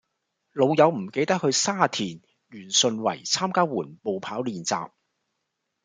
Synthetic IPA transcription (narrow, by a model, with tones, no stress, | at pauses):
lo˨˧wjɐ˨˧wm̩˨˩ke˨˧jt̪ɐ˥k̚hɵ˧ɥsaː˥t̪ʰiː˨˩n | jyː˨˩nsɵ˨˧nwɐ̰˨˩jt͡sʰaː˥mkaː˥wuː˨˩npo˨˧wpʰaː˨˥wliː˨nt͡sa̰ː˨p̚